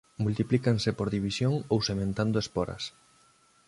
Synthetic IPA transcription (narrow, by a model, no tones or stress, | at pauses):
mult̪iplikaŋsepoɾðiβisjoŋowsemẽnt̪and̪oespɔɾɐ̰s